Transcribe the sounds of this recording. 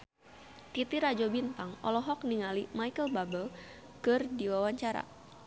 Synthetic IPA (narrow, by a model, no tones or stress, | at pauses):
kit̪iɾad͡ʒɔbinp̪aŋɔ̰lɔɦɔk̚niŋalimajkəlbabəl | kərdiwawaɲt͡ʃaɾa̰